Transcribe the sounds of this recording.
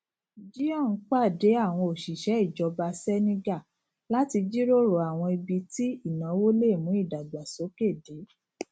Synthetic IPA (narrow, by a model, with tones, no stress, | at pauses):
d͡ʒi˦ɔ̃˦˨n̩˨˦k͡pa˦˨de˨˦a˦˨w̃ɔ̃˧o˨ʃi˨ʃɛ˨˦i˦˨d͡ʒɔ˧ba˧sɛ˦nĩ˧ɡa˦˨ | la˦ti˧d͡ʒi˦ɾo˦ɾo˨a˨w̃ɔ̃˧i˧bi˧ti˦i˦˨nã˨˦wo˦le˦˨mũ˨˦i˦˨da˨ɡ͡ba˨so˨˦ke˦˨de˨˦